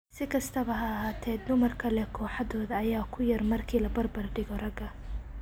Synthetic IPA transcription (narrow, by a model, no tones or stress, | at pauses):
sɪkʰɐst̪ʰɐβɐɦɐːɦaːt̪ʰɛːd̪d̪ʊmɐrkʰɐlɛkʰɔːħɑðɔːðɐːjaːkʰʊjɐrmɐrkʰiːlɐbɐrbɐrɖɪɣɔrɐɡɐ